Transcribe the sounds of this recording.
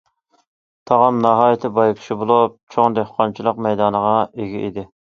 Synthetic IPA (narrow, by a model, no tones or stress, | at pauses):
t̪ʰɑʁɑmnɑɦɑːjit̪ʰɪbɑjkʲʰi̥ʃibolˠup̚t͡ʃʰoŋd̪ehqʰɑnt͡ʃʰilˠəqmɛjd̪ɑːnəʁɑeɡʲɛʔid̪ɪ